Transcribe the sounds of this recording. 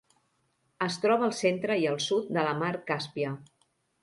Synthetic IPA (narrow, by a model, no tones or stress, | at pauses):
əst̪ɾɔβəːlˠsent̪ɾəiəlˠsut̪̚d̪ələmaɾkaspiə